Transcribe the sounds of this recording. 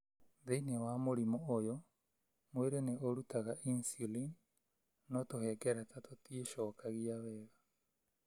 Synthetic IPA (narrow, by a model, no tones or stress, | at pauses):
ðeinewaːmoɾimɔojɔ | mweɾeneoɾutʰaɣaʔinsilin | nɔtohɛɡɛɾɛtatotieʃɔːkaɣiaβɛːɣa